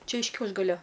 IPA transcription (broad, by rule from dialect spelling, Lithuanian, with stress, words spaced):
ˈt͡ʃʲɛ ɪʃ ˈkʲɛʊʒɡɐlʲoː